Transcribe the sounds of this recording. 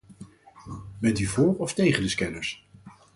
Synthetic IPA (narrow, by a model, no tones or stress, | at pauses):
bɛntyvʊːɹɔftejχəndəskɛnəɹs